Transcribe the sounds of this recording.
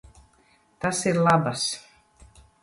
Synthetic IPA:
t̪asiɾlˠabas

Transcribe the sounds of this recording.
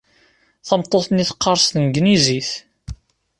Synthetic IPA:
θəmt̪ˤːoθniθqːɑɾˤst̪ənɡniziθ

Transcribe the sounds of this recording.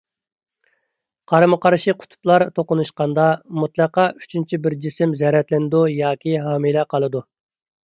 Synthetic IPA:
qʰɑɾmɨqʰɑɾʃiqʰʊ̥t̪ʰʊ̥plˠɑɾt̪ʰoqʊnuʃqɑnd̪ɑmut̪lˠɑqɑy̥t͡ʃʰynt͡ʃʰibɪɾd͡ʒisɪmzɛɾɛt̪lɪnɪd̪ujɑːkʲʰiɦɑːmɨlɛqʰɑlˠɨd̪u

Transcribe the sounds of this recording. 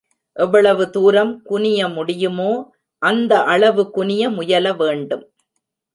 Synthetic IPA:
ʔɛʋːɐɭɐʋɯt̪uːɾɐmkʊnɪjɐmʊɽɪjɯmoː | ʔɐnd̪ɐʔɐɭɐʋɯkʊnɪjɐmʊjɐlɐʋeːɳɖɯm

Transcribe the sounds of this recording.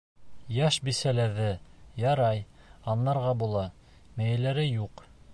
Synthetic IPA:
jɑʃbisælæðɘjɑɾɑj | ɑnːɑɾʁɑbulˠɑ | mæjælæɾɘjuq

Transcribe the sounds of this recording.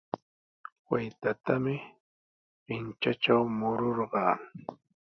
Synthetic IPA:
wajt̪at̪amɪ | pɪnt͡ʃaʈ͡ʂawmʊɾoɾɢɑː

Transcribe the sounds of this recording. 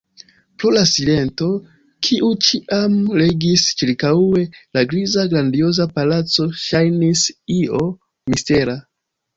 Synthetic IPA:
pɾolasile̞nto̞ | kʰiʔut͡ʃiʔamle̞ɡist͡ʃiɾkaue̞laɡɾizaɡɾandio̞zapalat͡so̞ʃajnisio̞ | miste̞ɾa

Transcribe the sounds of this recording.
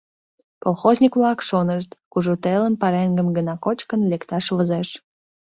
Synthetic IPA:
polˠxozʲnʲikβlɑkʃonəʃt̪kuʒut̪eləmpɑɾeŋɡəmɡənɑkot͡ɕkənlekt̪ɑʃβəzeʃ

